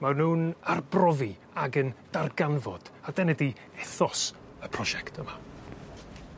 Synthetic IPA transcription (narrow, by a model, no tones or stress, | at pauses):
manuːnarbrɔvi | aɡənd̥arɡanvɔd̥adɛnɛdi | ɛθɔs | əpʰrɔʒɛktʰəma